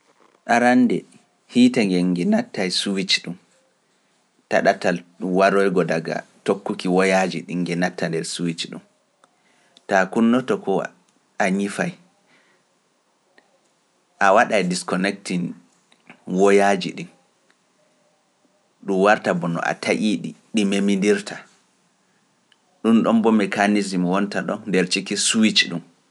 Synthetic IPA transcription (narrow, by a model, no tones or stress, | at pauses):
ɗaɾandɛ | hitaŋɡɛŋɡɛnatːajsuwit͡ʃɗum | taɗatalɗuwaɾɔjɡɔdaɡa̰tokːukiwɔjad͡ʒḭɗiŋːɡɛnatʰːandɛɾsuwit͡ʃɗṵm | takunːɔtɔkʰɔ | aɲifaj | ʔawaɗajdiskɔnɛk̚tin | wɔjad͡ʒiɗin | ɗumwaɾtabɔnɔ̰ʔa̰tʰaʔiɗḭɗimemindiɾtʰa | ɗunɗɔmbɔmɛkanizimwɔntaɗɔ̰ndɛɾt͡ʃikisuwit͡ʃɗum